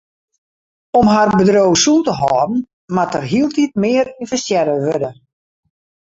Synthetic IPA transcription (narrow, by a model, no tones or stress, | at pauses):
ɔmɦarbədrowsutəɦɔːbn̩ | matərɦiəlˠtit̚mɪːəɾinfəstjɛɾəʋødə